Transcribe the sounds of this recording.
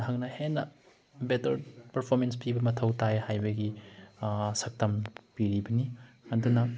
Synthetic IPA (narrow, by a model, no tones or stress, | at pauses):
ɦɐk̚nɐhenːɐ | betɐɾpɐɾpʰoɾmens̬pibɐmɐtʰɐwtajhajbɐɡi | sɐk̚tɐmpiɾibɐni | ɐdunɐ